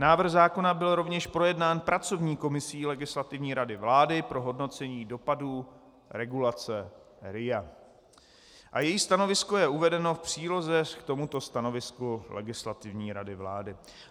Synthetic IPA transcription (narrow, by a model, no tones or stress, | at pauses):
naːvr̩xzaːko̞nabɪlɾo̞vɲɛʃpɾo̞jɛdnaːnpɾat͡so̞vɲiːko̞mɪsiːlɛɡɪslat̪ɪvɲiːɾadɪvlaːdɪpɾo̞ɦo̞dnot͡sɛɲiːdo̞paduː | ɾɛɡulat͡sɛ | ɾɪja | ʔajɛjiːst̪ano̞vɪsko̞jɛuvɛdɛno̞fpr̥iːlo̞zɛkt̪o̞mut̪o̞st̪ano̞vɪskulʔɛ̰ɡɪslat̪ɪvɲiːɾadɪvla̰ːdɪ